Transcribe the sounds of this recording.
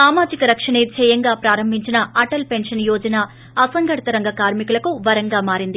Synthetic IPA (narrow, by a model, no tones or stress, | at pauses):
saːmaːd͡ʒikɐɾɐkʂɐɳeːt͡ʃʰɛjɐŋɡaːpɾaːɾɐmbʱiɲt͡ʃinɐɐʈɐlpe̞nʂɐnjɔːd͡ʒɐnaː | ɐsɐŋɡɐʈɐt̪ɐɾɐŋɡɐkaːɾmikulɐkuʋɐɾɐŋɡaːmaːɾind̪i